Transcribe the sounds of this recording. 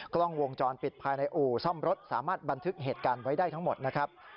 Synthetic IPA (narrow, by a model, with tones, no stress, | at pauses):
klɔ˥˩ŋwo˧ŋt͡ɕɔː˧npi˨˩t̪̚pʰaː˧jna˧jʔuː˨˩sɔ˥˩mɾo˦˥t̪̚sa̰ː˩˦maː˥˩t̪̚ba˧nt̪ʰɯ˦˥k̚ɦeː˨˩t̪̚kaː˧nwa˦˥jdaː˥˩jt̪ʰa˦˥ŋmo˨˩t̪̚na˦˥kʰɾa˦˥p̚